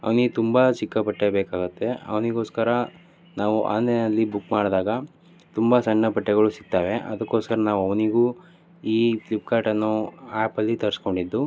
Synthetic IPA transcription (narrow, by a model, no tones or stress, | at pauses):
ɐ̰ʋɐniɡet̪umbɐt͡ʃikːɐpɐʈːebeːkaːɡut̪ːe̞ɐ̰ʋɐniɡo̞ːskɐɾɐ | naːʋuʔa̰ːnd̪enɐlːibukːmaːɽd̪aːɡɐ | t̪umbɐsɐnːɐpɐʈːɛɣɐɭusi̥k̚t̪aːʋe̞ɐ̰d̪ɐkːo̞ːskɐɾɐnaːʋuɐʋɐniɡuː | iːplip̚kaːʈɐnːuaːpɐlːit̪ɐɾsko̞ɳɖid̪ːu